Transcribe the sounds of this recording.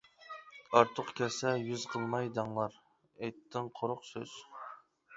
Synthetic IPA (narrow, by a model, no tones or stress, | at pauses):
ɑɾt̪ʰʊqkʲʰɛsɛjyzqʰəlˠmɑjd̪ɑŋlˠɑɾ | ejt̪ːɪŋqʰoɾʊqsø̰z̥